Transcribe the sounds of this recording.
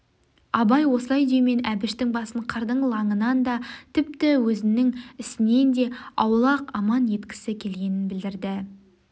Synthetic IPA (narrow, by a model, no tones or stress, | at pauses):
ɑbɑjwo̞səlˠɑjd̪ejme̞næbɪʃt̪ɪŋbɑsəɴqʰəɾd̪əɴlˠɑɴənɑnd̪ɑt̪ʰɪp̚t̪ɪwɵzɪnɪŋɪsɪne̞nd̪e̞ɑwlˠɑqɑmɑnje̞t̪kʲɪ̥sɪkʲʰelɡʲe̞nɪnbɪld̪ɪɾd̪ɪ